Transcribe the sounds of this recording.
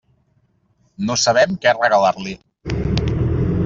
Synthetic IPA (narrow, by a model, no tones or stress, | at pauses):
nosəβ̞ɛmkɛrəɣəlaɾli